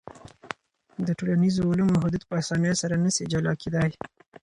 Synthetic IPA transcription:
d̪əʈolanizoʊlamoɦʊd̪ud̪pəasɑnəjosaɾanəsed͡ʒalɑked̪ɑj

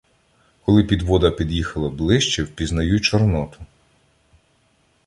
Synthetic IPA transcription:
kɔlˠɪpʲid̪ʋɔd̪ɐpʲid̪jixɐlˠɐblˠɪʃt͡ʃɛwpʲiznɐjut͡ʃɔrnɔt̪ʊ̥

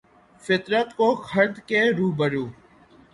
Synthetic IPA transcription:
fɪt̪ɾət̪koːkʰəɾd̪ʱkeːɾuːbəɽjoː

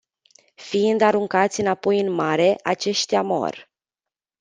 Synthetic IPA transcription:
fiind̪aɾuŋkat̪sʲɨnapo̞jɨnmaɾe̞ʔat͡ʃe̞ʃt̪amo̞̰rʲ

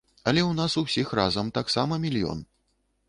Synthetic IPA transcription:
ɐlʲɛwnasusʲixrazɐmt̪aksamɐmʲilʲjɔ̰n

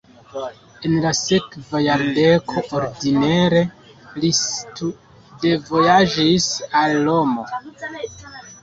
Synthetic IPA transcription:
e̞nlase̞kvajaɾde̞kʰo̞ʔoɾdineɾe̞ | litu | de̞vo̞jad͡ʒisalːo̞mo̞̰

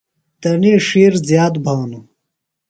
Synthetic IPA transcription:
t̪ɐniʂiːɾzjaːt̪bʱɐwnu

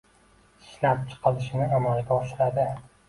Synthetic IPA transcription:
ɪ̥ʃlap̚t͡ʃʰɨ̥qʰɑlˠɪʃɪnɪɒmɒnɪɡʲaɒʃɪɾad̪ɪ

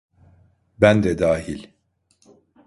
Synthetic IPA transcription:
bænd̪ɛd̪aːɦilʲ

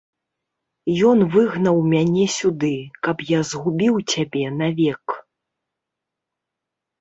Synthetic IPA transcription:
jɔnvɨɣnɐwmʲanʲɛsʲud̪ɨkɐpjazɣubʲiwt͡sʲabʲɛnavʲɛk

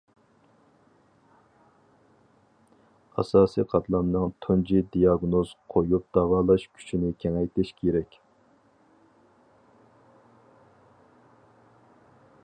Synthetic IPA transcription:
ɑ̰sɑːsiqʰɑt̪ʰlˠɑmnɨŋt̪ʰund͡ʒid̪ijɑɡnoz̥qʰojup̚d̪̥ɑwɑːlˠɑʃkʲʰy̥t͡ʃʰinɪkʲʰɛŋɛjt̪ʰɪʃkʲʰeɾɛkʲ

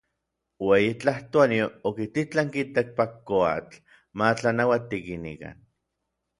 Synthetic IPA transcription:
wejit͡ɬaht̪oaniookit̪it͡ɬaŋkit̪ak̚pakːoa̰t͡ɬ | mat͡ɬanawat̪ikinḭka̰n

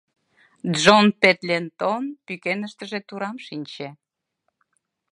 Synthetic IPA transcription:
d̪ʒonpet̪lʲent̪onpykenəʃt̪əʒet̪uɾɑmʃinʲt͡ɕe

